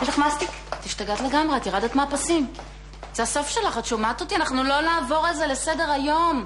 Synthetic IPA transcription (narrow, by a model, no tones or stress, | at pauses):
iʃleχmast̪ik | t̪iʃt̪aɡat̪le̞ɡamʁeat̪iʁad̪et̪maːpasim | z̥easo̞fʃe̞laχatt͡ʃumat̪ot̪ianaχnulo̞naːvo̞ʁelze̞le̞se̞de̞ʁajo̞m